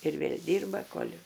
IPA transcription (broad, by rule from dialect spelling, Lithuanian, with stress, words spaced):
ɪr ˈʋʲeːlʲ ˈdʲiːrbɐ koːlʲ